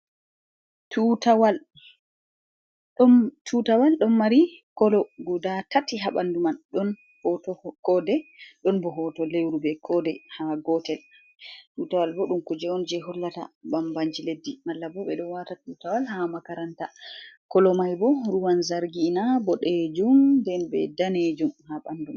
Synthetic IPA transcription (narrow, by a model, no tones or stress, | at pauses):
tutawal | ɗɔtʰutawalɗɔnːaɾikɔlɔɡudatatːiɦaɓandumanɗɔn | hɔtɔkɔdɛɗɔnbɔɦɔtɔlewɾubɛkʰɔdɛhaɡɔtɛl | tutawalbɔɗumkud͡ʒɛɔnd͡ʒɛɦɔlːata̰bambaɲd͡ʒiledːimalːabɔɓɛɗɔnwatatutawalɦamakaɾantakɔlɔmajbɔɾuwanzaɾɡinabɔɗed͡ʒumdɛnbɛ̰daned͡ʒumhaɓanduma